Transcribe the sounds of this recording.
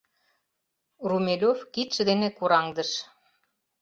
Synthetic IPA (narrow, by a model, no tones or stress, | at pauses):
rumʲelʲofkit̪ʃɘ̆d̪enekuɾɑŋd̪ə̆ʃ